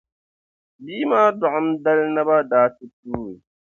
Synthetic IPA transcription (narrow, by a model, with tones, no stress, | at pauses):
biː˦maː˦dʊ˨ʔʊ˦mda˦lna˦ba˦daː˨˦tɨ˦tuː˦ɾi˨